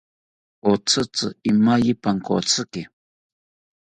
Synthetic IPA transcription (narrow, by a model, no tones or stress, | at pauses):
ot͡sɨt͡sɨimajipaŋko̰t͡sɨkɪ